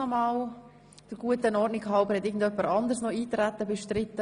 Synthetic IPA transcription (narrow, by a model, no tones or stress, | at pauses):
ɔmɑːl | d̥əɾɡ̥uətənɔɾdnikhɑʊbəhɛtɪːɡ̚ən̩d̪œpːəɾɑnd̪əɾsnɔiːt̪ɾæt̪ːəbɛʃtɾɪt̪ːə